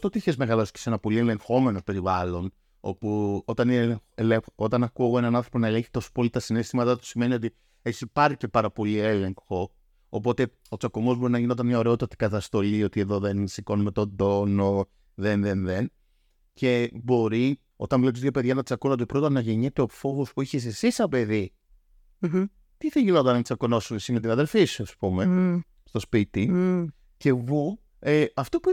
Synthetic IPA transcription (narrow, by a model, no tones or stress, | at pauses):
st̪ot̪içezmeɣɐlosce̥se̞nɐpo̞lie̞le̞ŋxo̞me̞no̞pe̞ɾivɐlo̞n | o̞̰puot̪ɐneleot̪ɐnɐkuoɣoe̞nɐnɐ̃θɾo̞po̞nɐele̞ɲçi̥t̪osu̥polit̪ɐsine̞st̪imɐt̪ɐt̪u̥sime̞nio̞t̪i | esipɐɾçice̞pɐɾɐpo̞liele̞ŋxo̞ | op̬o̞t̪e̞ | o̞t͡sɐkomo̞zbo̞ɾinɐʝineo̞t̪ɐnmɲɐo̞ɾeo̞t̪ɐt̪i̥kɐt̪ɐst̪o̞lio̞t̪ie̞ðo̞ðe̞nsiko̞numet̪o̞d̪o̞no | ðenðenðen | ce̞bo̞ɾi | o̞̰t̪ɐnvot̪izðʝope̞ðʝɐnɐt̪t͡sɐkunɐot̪ipɾot̪ɐnɐʝeɲet̪e̞ofo̞ɣospuiçis̬esisɐpe̞ði | t̪iθeʝilot̪ɐnɐmit͡sɐkono̞sumesimet̪inɐðe̞lfisuɐspume | st̪o̞spit̪i | ce̞vu | eɐft̪opu